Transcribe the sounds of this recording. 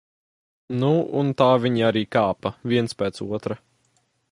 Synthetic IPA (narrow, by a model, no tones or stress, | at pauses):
nuṵnt̪aːvʲiɲiaɾiːkaːpɐviɛnspʲɛːt̪sṵɔt̪ɾɐ